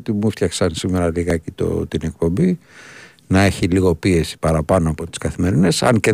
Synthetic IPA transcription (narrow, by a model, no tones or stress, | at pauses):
t̪imuft̪çɐksɐnsime̞ɾɐliɣɐcit̪o̰t̪ine̞k̚po̞mbi | nɐe̞çiliɣo̞pie̞si̥pɐɾɐpɐnoɐpo̞t̪i̥skɐθime̞ɾine̞sɐ̰nce